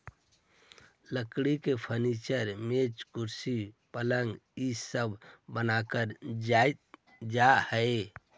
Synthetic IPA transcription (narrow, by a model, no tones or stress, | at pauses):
ləkɽikepʰənit͡ʃəɾmet͡ʃkuɾsipələŋɡisəbʱbənakəɾd͡ʒajt̪̚ | d͡ʒahəe